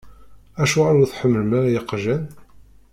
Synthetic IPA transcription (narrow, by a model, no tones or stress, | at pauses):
æʃuʁaɾuθħəmːəlmaɾajəqːʒæn